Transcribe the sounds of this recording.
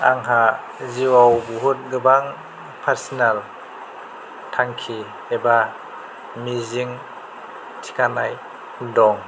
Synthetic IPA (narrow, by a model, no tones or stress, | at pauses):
a̰ŋɦa | ziwawbuɦut̚ɡɯbaŋ | pʰaɾsinal | tʰaŋkʰi | eba | miziŋ | tʰi̥kʰanaj | dɔŋ